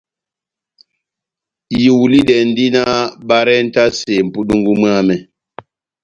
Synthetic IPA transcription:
ji˨wli˦dɛ˨n˦di˦na˦ba˦ɾɛ˦n̩˦ta˦se˨m̩˨pu˦ɗu˦ŋɡu˦m˦a˦˨mɛ˨

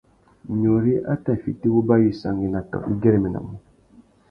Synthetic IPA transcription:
ɲo˨ɾi˦ʔa̰˦ta˨fi˨ti˦bu˦ba˦ji˨sa˨ŋɡi˨na˨tɔ̰˨ḭ˦ɡɛ˦ɾi˨mi˨na̰˨mu˨

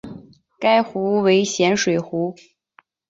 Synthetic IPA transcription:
ka˥ɪxu˧˥we˧˥ɪɕjɛ˧˥nʂwe˨˩ɪxu˧˥

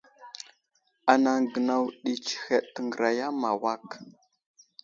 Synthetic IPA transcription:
a˨na˨ŋɡə˨na˨wɗi˨t͡ʃi̥˨xe˨ɗtə˨ŋɡə˨ɾa˨ja˦ma˨wa˦˨k

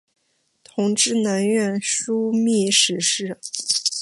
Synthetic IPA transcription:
t̪ʰʊ˧˥ŋʈ͡ʂɻ̩˥˩nə˧˥nɥɛ˥˩nʂu˥mi˥˩ʂɻ̩˧˥ʂɻ̩˥˩

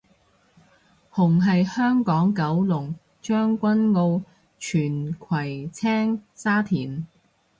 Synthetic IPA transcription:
hʊ˨˩ŋɦɐ˨jhœː˥ŋkɔː˨˥ŋkɐ˨˥wlʊ˨˩ŋ | t͡ʃœː˥ŋkʷɐ˥nŋo˧w | t͡ʃʰyː˨˩nkʰwɐ˨˩jt͡sʰɛː˥ŋsaː˥t̪ʰiː˨˩n

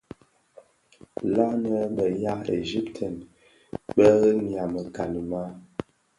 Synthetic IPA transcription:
la˦nə˦bə˨ja˦ʔḛ˨d͡ʒi˦ptʰə˨n | ɓə˦ɣə˦mja˨mə˨ka˨nə˨ma˦

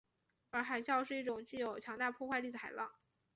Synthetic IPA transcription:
ə˞˧˥xa˨˩ɪɕjɑ˥˧ʊʂɻ̩˥˧i˥˩ʈ͡ʂʊ˨˩ŋt͡ɕy˥˩jo˨˩ʊt͡ɕʰjɑ˧˥ŋt̪a˥˧pʰwɔ˥˧kxwa˥˧ɪli˥˩də˩xa˨˩ɪlɑ˥˩ŋ

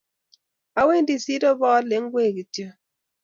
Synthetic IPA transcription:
a˨we˦n˦di˨si˦dɔ˦bɔ˦le˨˦ŋ˦ɡwe˦˨ki˨tjo˦

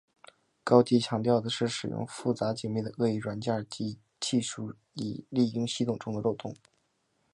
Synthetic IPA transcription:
kɑ˥ʊt͡ɕi˥˩t͡ɕʰjɑ˧˥ŋt̪jɑ˥˩ʊd̪ə˩ʂɻ̩˥˩ʂɻ̩˨˩jʊ̰˥˧ŋfu˥˩t͡sa˧˥t͡ɕi˨˩ŋmi˥˩d̪ə˩ɤ˥˧i˥˩ɻwa˧˥nt͡ɕja˥˧˩t͡ɕi˥ | t͡ɕi˥˧ʂu˥˩ | ḭ˨˩li˥˩i˥ŋɕi˥t̪ʰʊ˨˩ŋʈ͡ʂʊ˥ŋd̪ə˧ɻo˥˩ʊt̪ʊ̰˥˩ŋ

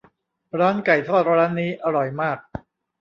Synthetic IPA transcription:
ɾaː˦˥nka˨˩jt̪ʰɔː˥˩t̪̚ɾaː˦˥nːiː˦˥ʔa˧ɾɔ˨˩jmaː˥˩k̚

